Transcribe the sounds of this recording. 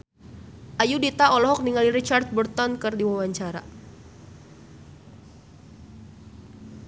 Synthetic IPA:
ʔajudit̪aɔlɔɦɔk̚niŋaliɾit͡ʃart̪̚bərt̪ɔnkɨrdiwawaɲt͡ʃaɾa̰

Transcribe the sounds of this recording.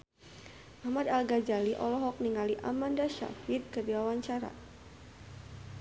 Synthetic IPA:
ʔahmad̪alɡad͡ʒaliʔɔlɔɦɔk̚niŋaliʔamandaʃa̰fit̪̚kərdiwawaɲt͡ʃaɾa̰

